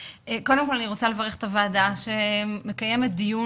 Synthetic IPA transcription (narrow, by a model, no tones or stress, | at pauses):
eko̞de̞mko̞laniʁo̞t͡sale̞vɐʁeχet̪avaːdaʃeme̞kajemet̚d̪iju